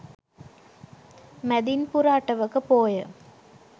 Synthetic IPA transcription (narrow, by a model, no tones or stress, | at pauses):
mɛd̪inpuɾaːʈːɐʋɐkːɯpoːjə